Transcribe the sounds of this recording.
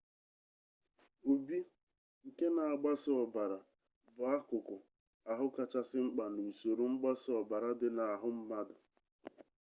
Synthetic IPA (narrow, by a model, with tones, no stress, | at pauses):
o˨bi˦ | ŋ̩˨ke˦na˨a˨ɡ͡ba˦sɪ˦ɔ˨ba˨ɾa˨ | bʊ˨a˦kʊ˨kʊ˨ | a˨ɦʊ˦ka˨t͡ʃa˦sɪ˦ŋ͡m̩˦k͡pa˨nu˨so˨ɾu˨ŋ͡m̩˦ɡ͡ba˦sɪ˦ɔ˨ba˨ɾa˦dɪ˦na˨ɦʊ˦m̩˦ma˦dʊ˨